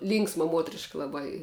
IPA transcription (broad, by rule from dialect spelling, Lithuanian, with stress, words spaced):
ˈlʲiːŋksmɐ ˈmuɔtʲrʲɪʃkɐ lˠɐˈbɐɪ